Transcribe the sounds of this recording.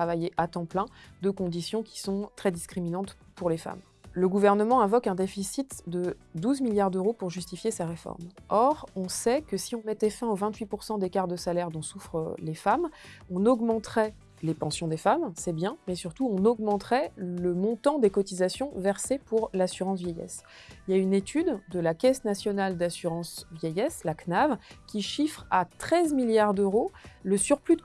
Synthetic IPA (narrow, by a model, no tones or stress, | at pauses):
t̪χavajeʔat̪ɑ̃plɛ̃d̪økɔ̃d̪isjɔ̃kʲi̥sɔ̃t̪χɛd̪iskχiminɑ̃t̪ | puʁlefa̰m | ləɡuvɛʁnəmɑ̃ɛ̃vɔkɛ̃d̪efisit̪d̪əd̪uzmiljaʁd̪øʁopuʁʒyst̪ifjeseʁefɔ̰ʁmɔʁɔ̃sɛkəsiɔ̃mɛt̪ɛfɛ̃ovɛ̃t̪ɥipuʁsɑ̃d̪ekaʁd̪əsalɛʁd̪ɔ̃sufχəlefamɔ̃nɔɡmɑ̃t̪χɛ | lepɑ̃sjɔ̃d̪efamsɛbjɛ̃mɛsyʁt̪uɔ̃nɔɡmɑ̃t̪χɛləmɔ̃t̪ɑ̃d̪ekɔt̪izasjɔ̃vɛʁsepuʁlasyʁɑ̃s̬vjɛjɛ̰s | iljaynet̪ʰyd̪d̪əlakʲɛsnasjɔnald̪asyʁɑ̃svjɛjɛslaknavkʲiʃifχat̪χɛzmiljaʁd̪øʁoləsyʁplyd̪